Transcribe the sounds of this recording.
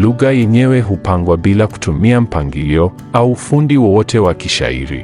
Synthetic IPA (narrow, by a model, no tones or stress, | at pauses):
luɣajɛɲɛwɛɦupaŋɡwabilaku̥tʰumiam̩paŋɡiliɔ | aufundiwɔwɔtɛwakiʃa̰ḭɾḭ